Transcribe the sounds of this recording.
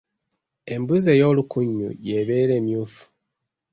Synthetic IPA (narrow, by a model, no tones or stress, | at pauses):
e̞mbuze̞jo̞ːlukuɲːṵje̞βe̞ːɾe̞ːmjuːfu̥